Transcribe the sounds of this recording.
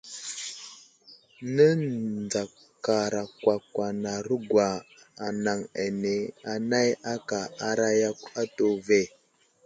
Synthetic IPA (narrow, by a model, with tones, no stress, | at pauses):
nə˦d͡za˨ | ka˨ɾa˨kwa˨kwa˨na˨ɾə˦ɡwa˨ | a˨na˨ŋa˨ne˨a˨na˦ja˦ka˨a˦ɾa˦ja˦kʷa˦to˨ve˦˨